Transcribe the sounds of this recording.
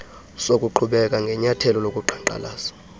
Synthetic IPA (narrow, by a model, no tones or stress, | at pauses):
sok̬ʼuǃʰuɓɛk̬ʼaŋɡʱɛɲatʰɛlɔlokʼuǃʰaǃa̰laːsḁ